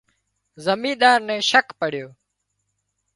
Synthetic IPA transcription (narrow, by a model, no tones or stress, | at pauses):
zəmĩːɗ̪aːɾnɛ̃ːʃəkpəɽ̤ɪjoː